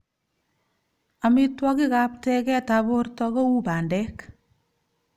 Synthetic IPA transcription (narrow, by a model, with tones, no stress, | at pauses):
a˨mitwɔ˦ki˦kap̚tɛkɛ˦tabortɔkɔ˦u˦ba˨ndɛk